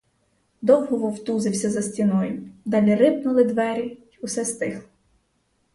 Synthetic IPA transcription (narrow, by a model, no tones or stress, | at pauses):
d̪ɔwɦɔʋɔwt̪uzɪwsʲɐzɐsʲtʲinɔjʊd̪ɑlʲiɾɪpnʊlˠɪd̪ʋɛɾʲi | ʊsɛst̪ɪxlˠɔ